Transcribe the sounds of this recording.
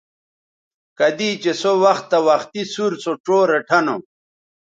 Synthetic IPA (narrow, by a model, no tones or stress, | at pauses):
kɐd̪iːt͡ɕesowɐxt̪ːɐwɐxt̪isuɾsoʈ͡ʂoːɾeʈʰɐno